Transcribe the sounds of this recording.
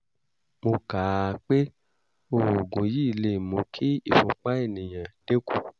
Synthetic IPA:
mo˧kaː˨k͡pe˦ | o˧˨o˨ɡũ˨˧ji˦i˦˧le˧˦˨mũ˨˧˦kʰi˦i˦˨fũ˧k͡pa˦e˦˨nĩ˨j̃ã˨d̥e˦ku˦˨

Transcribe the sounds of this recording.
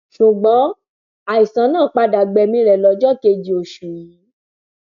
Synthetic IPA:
ʃu˨ɡ͡bɔ̃˨˦ | a˨i˨sã˧˦nãː˦˨k͡pa˧da˨ɡ͡bɛ˧˨mĩ˧ɾɛ˨lɔ˨˦d͡ʒɔ˦ke˧d͡ʒi˧o˨ʃu˨ji˨˦

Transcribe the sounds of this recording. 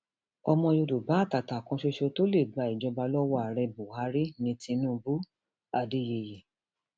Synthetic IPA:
ɔ˧mɔ̃˧jo˧do˨ba˨˦˨ta˨ta˨kɔ̃˧˦ʃe˦˧ʃo˧to˦le˦˨ɡ͡ba˧˦i˨d͡ʒɔ˧ba˧lɔ˦wɔ˦a˨ɾɛ˧bo˨ha˨˧˦ɾi˦nĩ˧tĩ˧nũː˦˧bu˦ | a˨de˨˦je˧˨je˨

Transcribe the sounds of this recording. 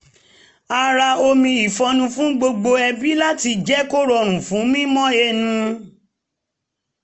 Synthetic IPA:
a˧ɾa˧o˧mĩ˧i˨fɔ̃˧nũ˧fũ˨˦ɡ͡bo˧ɡ͡bo˧ɛ˧bi˦la˦ti˧d͡ʒɛ˦ko˦ɾɔ˧ɾ̃ũ˨fũ˨˦mĩ˦mɔ̃˦e˧˦nũ˧

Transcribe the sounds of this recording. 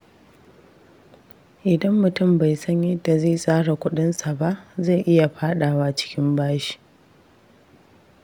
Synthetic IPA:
ʔɪ˨dɐ˦mːʊ˨tʊ˦˨mba˨jsɐ˦ɲjɛ˦dːa˨zeː˦˨sʼaː˦ɽa˨kʷʊ˦ɗɪ˦nsa˨ba˦ʔza˦˨jʔɪ˦ja˨ɸaː˦ɗaː˨wa˦t͡ʃɪ̥˦kʲɪ˦mbaː˦ʃi̥ː˨

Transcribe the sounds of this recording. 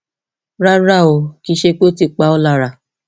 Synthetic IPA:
ɾa˦ɾa˦˨o˧˨ki˧˦ʃe˧k͡po˦ti˧˨k͡pa˧˦ɔ˦la˧˨ɾa˨

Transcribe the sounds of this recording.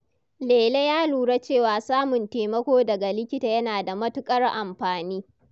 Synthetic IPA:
leː˨le˦jaː˦luː˨ɽe˦t͡ʃeː˦˨waː˨saː˦mʊ˨nteː˨mɐ˦kʷoː˦dɐ˨ɡa˨lɪ˦kʲɪ˦taː˨jɐ˦naː˨da˨mɐ˦tʊ˦kʼɐ˦rʔa˨mɸaː˨niː˦

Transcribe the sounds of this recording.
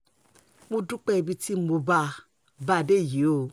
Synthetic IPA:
mu˧du˦k͡pɛ˦˧˨bi˧ti˦˨mo˧ba˧ | ba˧˨de˦˨ji˨o˦˨

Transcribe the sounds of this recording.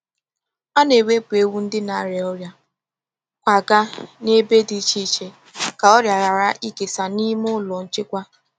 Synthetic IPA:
a˦ne˨we˦pu˨e˦wu˦n̩˦dɪ˦na˨˦ɾe˨ɔ˦ɾja˦ | kʷa˨ɡa˦ne˦be˦di˦t͡ʃi˦t͡ʃe˦ | ka˨ɔ˦ɾja˨ɣa˨ɾa˦ʔi˦ke˨sa˨ni˦m˦ʊ˦lɔ˨n̩˦t͡ʃɪ˦kʷa˦

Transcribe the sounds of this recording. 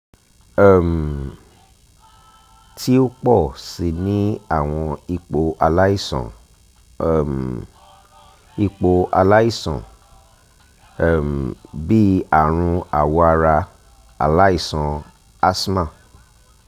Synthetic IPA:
m˨ | tʰi˦o˦k͡pɔ˦˨si˨nĩ˦a˦˨w̃ɔ̃˧i˧k͡po˧ʔa˧la˦i˦˨sɔ̰̃˨ | m | i˧k͡po˧ʔa˧la˦i˦˨sɔ̰̃˨ | m˨bi˦a˦˨ɾ̃ũ˧a˨wɔ˧a˧ɾa˧ | a̰˨la˦i˦˨sɔ̃˨ | a˦smã˦˨

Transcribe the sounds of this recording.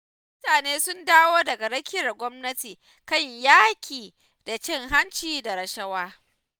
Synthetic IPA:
m | ʊ˦taː˨neː˦sʊ˦ndaː˦woː˦dɐ˨ɡa˨ɽɐ˦kʲɪ˦ɐ˨ɡʷɔ˦mnɐ˦tiː˨ | kɐ˦ɲjaː˦kʲiː˨ | da˨t͡ʃɪ˦˨ŋɦa˦nt͡ʃiː˦da˨ɾɐ˨ʃɐ˦waː˦

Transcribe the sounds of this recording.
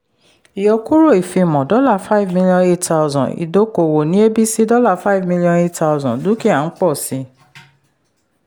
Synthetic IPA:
i˨jɔ˧ku˦ɾo˦˨i˨fĩ˧˨mɔ̃˨dɔ˦la˦˨fa˦˨vmĩ˧li˧ɔ̃˧ne˦tta˧ʊzɔ̰̃˨nḭ˨do˨˦ko˨wo˨nĩ˨˦e˦bi˦si˦dɔ˦la˦˨fa˦i˨vmĩ˧li˧ɔ̃˧ne˦ta˧ʊ˧zɔ̃˨dũ˨˦ki˦a˦˨n̩˦k͡pɔ˦˨si˧˦

